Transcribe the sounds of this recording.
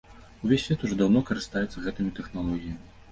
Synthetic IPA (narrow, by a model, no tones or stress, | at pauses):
uvʲesːʲvʲeɛt̪uʐɔd̪awnɔkɐɾɨst̪ajɛt̪sɐɣɛt̪ɨmʲit̪ɛxnalˠɔɣʲijɐmʲi